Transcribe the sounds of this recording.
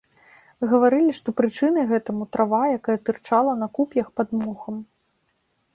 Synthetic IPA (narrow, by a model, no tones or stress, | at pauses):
mɨɣɐvaɾɨlʲiʂt̪ɔpɾɨt͡ʂɨnɨɣɛt̪ɐmut̪ɾʔavajakajɐt̪ɨrt͡ʂalˠɐnɐkupʲjɐxpad̪muxɐm